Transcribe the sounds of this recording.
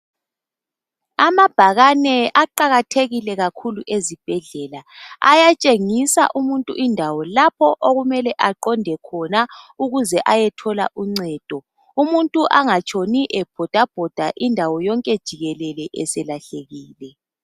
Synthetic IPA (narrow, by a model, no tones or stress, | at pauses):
amab̥ʱaɣanɛaǃaɣatʰeɣilɛɣakʰuluʔezib̥ʱɛɮɛlaa̰jat͡ʃʼeŋisa̰ʔumuntʼuʔindʱawɔlapʰɔʔoɣumɛlɛʔaǃɔndʱɛkʰɔnauɣuzɛʔajɛtʰɔla̰ʔuŋ͡ǀɛːd̥ʱɔ | umuntʼuʔaŋat͡ʃʼʰoniʔɛb̥ʱɔd̥ʱab̥ʱɔd̥ʱaʔindʱawɔjɔŋkʼɛd̥ʒ̥ʱiɣɛlɛlɛʔɛsɛlaɬeɣiːlɛ